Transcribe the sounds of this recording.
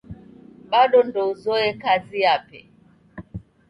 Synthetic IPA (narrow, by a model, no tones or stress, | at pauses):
ɓaɗɔndɔzɔɛkaziapɛ̰